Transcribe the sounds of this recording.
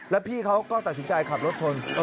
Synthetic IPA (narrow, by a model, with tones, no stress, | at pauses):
lɛ˦˥pʰiː˥˩kʰa˦˥wkɔː˥˩t̪a˨t̪̚si˩˦nt͡ɕa˧jkʰa˨˩p̚ɾo˦˥t̪̚t͡ɕʰo˧n